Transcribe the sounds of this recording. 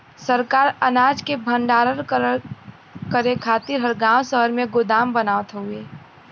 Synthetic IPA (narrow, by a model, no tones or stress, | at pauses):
səɾkaːɾənaːd͡ʒkebʱə̃ɳɖaːɾəɾ | kəɾekʰaːt̪ɪɾɦəɾɡãːwsəɦəɾmẽɡʊd̪aːmbənaːʋət̪ɦʊeː